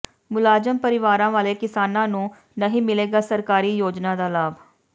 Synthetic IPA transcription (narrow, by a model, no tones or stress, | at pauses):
mʊlaːd͡ʒəmpəɾɪʋaːɾãːʋaːleːkɪsaːnãːnũː | nəɦĩːmɪleːɡaːsəɾkaːɾiːjoːd͡ʒnãːd̪aːlaːb